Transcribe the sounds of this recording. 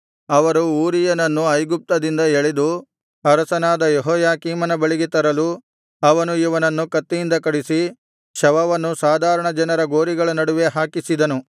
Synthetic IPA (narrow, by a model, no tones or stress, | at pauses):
ɐʋɐɾuuːɾijɐnɐnːuɐjɡup̚t̪ɐd̪ind̪ɐeɭed̪u | ɐɾɐsɐnaːd̪ɐjeɦɔːjaːkiːmɐnɐbɐɭiɡit̪ɐɾɐlu | ɐʋɐnuiʋɐnɐnːukɐt̪ːijind̪ɐkɐɽisi | ʃɐʋɐʋɐnːusaːd̪ʱaːɾɐɳɐd͡ʒɐnɐɾɐɡo̞ːɾiɡɐɭɐnɐɽuʋe̞ɦaːkisid̪ɐnu